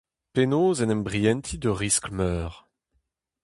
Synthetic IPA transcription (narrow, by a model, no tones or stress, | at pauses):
penoːzɛnɛ̃mbʁiɛnt̪ʰid̪əʁiskmœːʁ